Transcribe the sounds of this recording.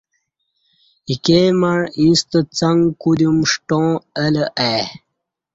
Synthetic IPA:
ikemɐɻĩst̪ət͡sɐŋkud̪umʂʈõːələʔa

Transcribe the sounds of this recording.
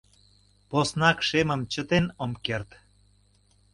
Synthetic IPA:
posnɑkʃeməmt͡ɕət̪enomkert̪

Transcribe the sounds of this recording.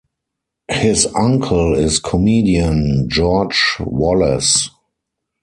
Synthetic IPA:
hɪsãŋkʰəlɪskʰɔmiːdiə̃nd͡ʒɔd͡ʒwɔlɛ̰s

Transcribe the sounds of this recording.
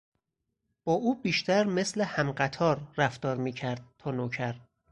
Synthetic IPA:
b̥ɒːʔuːbiːʃt̪ʰæɾme̞slehæmɢæt̪ʰɒːɾːæft̪ɒːɾmiːcʰæɾd̪̥̚t̪ʰɒːnoːcʰæɾ

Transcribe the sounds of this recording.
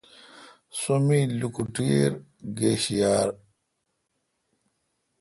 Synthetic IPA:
sumilukuʈiɾɡeːɕijaːɾ

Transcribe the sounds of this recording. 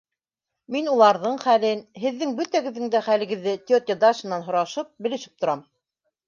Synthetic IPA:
minulˠɑɾðɤɴχælɘnɦɘ̆ðːɘŋbɵt̪æɡɘ̆ðːɘ̆ŋd̪æχælɘ̆ɡɘ̆ðːɘt̪ʲɪot̪ʲəd̪aʃɤ̆nːɑnɦŏɾɑʃɤp̚bɘ̆lɘ̆ʃɘ̥p̚t̪ŏɾɑm

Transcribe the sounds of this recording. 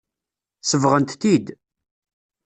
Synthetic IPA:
səvʁənt̪t̪id̪

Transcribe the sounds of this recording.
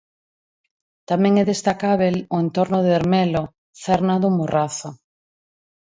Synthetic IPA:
t̪amɛ̃ŋɛðest̪akaβeloent̪oɾnoðeeɾmɛlo | θɛɾnaðʊmorʔaθo

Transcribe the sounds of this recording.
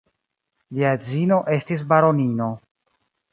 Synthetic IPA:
liad͡zino̞ʔe̞stis̬baɾo̞nino̞

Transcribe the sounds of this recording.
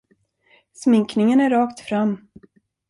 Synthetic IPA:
smɪŋknɪŋənæɾɑːkt̪fɾamː

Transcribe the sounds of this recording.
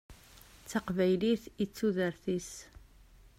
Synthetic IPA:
t͡sːaqvæjliθit͡sːuðəɾθis

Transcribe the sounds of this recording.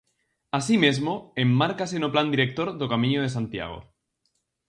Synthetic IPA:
asimezmoemːaɾkas̬enopland̪iɾek̚t̪oɾðokamĩɲoðe̞s̬ant̪ja̰ɣ̞o̰

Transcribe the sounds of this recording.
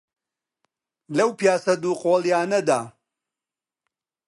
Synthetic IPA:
lɐwpijaːsɐd̪uːqoːljaːnɐd̪aː

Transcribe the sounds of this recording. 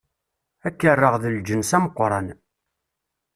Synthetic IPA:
ækːərˤːəʁðəld͡ʒənsæməqʷːɾˤɑn

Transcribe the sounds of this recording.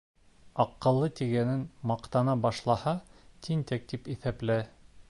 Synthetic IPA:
ɑqːɤ̆lˠːɤt̪iɡænɘnmɑqt̪ɑnɑbɑʃlˠɑhɑt̪ʰint̪æk̚t̪ipiθæplæ

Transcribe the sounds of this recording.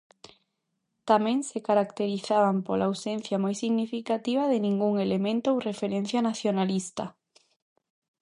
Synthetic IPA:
t̪amẽŋsekaɾakt̪eɾiθaβampolaːwsẽn̟θjamojsiɣnifikat̪iβ̞aðenĩŋɡuŋelemẽnt̪oowrefeɾẽn̟θjanaθjonalist̪a̰

